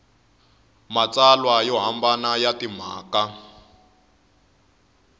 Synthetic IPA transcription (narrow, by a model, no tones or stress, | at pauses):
mat͡salwajɔɦambanajatim̤aːka